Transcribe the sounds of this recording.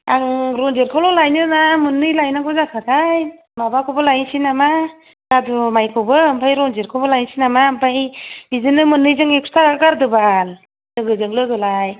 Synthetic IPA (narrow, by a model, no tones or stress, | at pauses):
aŋɾɔnzeɾkʰɔwlɔlajnɯnamɯnɯjlajnakɔzakʰatʰaj | mabakʰɔbɯlajnsinama | d̥adɔmajkʰɔwbɯmpʰajɾɔnzeɾkʰɔbɯlajnsinamampʰajbizɯnɯmɯnɯjzɯŋekʰu̥stʰaɡaɾdɯbal | lɯɡɯzɯŋlɯɡɯlaj